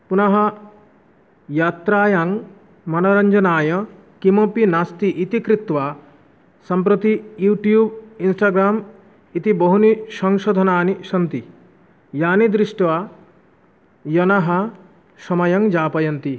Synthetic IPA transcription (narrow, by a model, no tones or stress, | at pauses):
punɐɦɐ | jaːt̪ɾaːjaŋ | mɐnɐɾɐɲd͡ʒɐnaːjɐ | kimopinast̪iʔit̪ikɾit̪ʋa | sɐmpɾɔt̪ijuːʈjuːbinsʈaːɡɾaːm | it̪iboɦuniʃɔŋʃod̪ʱɐnaːniʃɐnt̪i | jaːnid̪ɾiʃʈʋa | jɐnɐɦɐ | ʃɔmɐjɐŋd͡ʒaːpɐjɐnt̪i